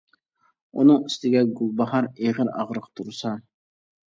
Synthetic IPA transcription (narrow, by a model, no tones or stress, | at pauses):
ṵnɨŋɪst̪ʰɪɡʲɛɡʊlˠbɑɦɑɾeʁəɾɑ̰ʁɾəqt̪ʰuɾsɑ